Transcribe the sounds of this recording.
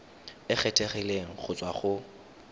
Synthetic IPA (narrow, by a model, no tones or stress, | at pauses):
ɪχʰɛtʰʼeχileŋ̩k͡xʰʊt͡sʼwaχʊ